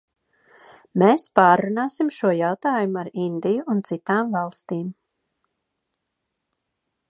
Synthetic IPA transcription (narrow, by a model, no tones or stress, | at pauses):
meːspaːɾːunaːsimʃuɔjawt̪aːjumuaɾind̪ijuʔːnt̪sit̪aːmvɑlˠst̪iːm